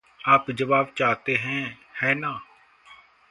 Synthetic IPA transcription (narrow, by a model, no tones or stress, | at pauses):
aːpd͡ʒəʋaːbt͡ʃaːt̪eːɦɛ̃ːhɛːnãː